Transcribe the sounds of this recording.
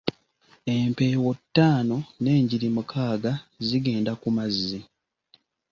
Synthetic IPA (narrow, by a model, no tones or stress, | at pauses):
empe̞ːwotːaːno̞ne̞ːɲɟiɾimukʰaːɡaziɡe̞ːndakumazːi